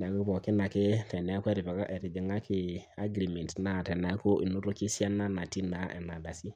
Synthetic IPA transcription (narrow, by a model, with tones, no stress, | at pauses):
na˨ku˦βɔ˨kɪ˦na˨kɪ˦tɛ˨nɛ˨˦a˦kʷɛ˦ɾi˨βa˨ka˦ʔɛ˨ɾi˨d͡ʒi˨ŋa˦kʰɪ˨a˦ɡɾi˨me˨ntna˨tɛ˨na˨˦ko˦ʔḭ˨nu˦ɾo˦ki˦sja˦na˦na˨ti˦na˨ʔɛ̰˨na˨da˨si˦